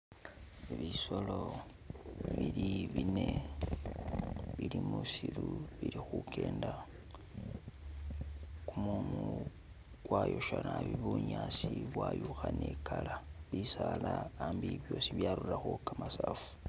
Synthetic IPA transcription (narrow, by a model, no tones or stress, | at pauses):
iβiso̞lo̞ | βiliβine̞ | βilimusiɾuβilixukʰeːnda | kumumu | kwajo̞ʃanaβiβuɲasiβwajuxanekalaβisalaːmbiβjo̞ːsiβjaɾuraxokamasaːfu̥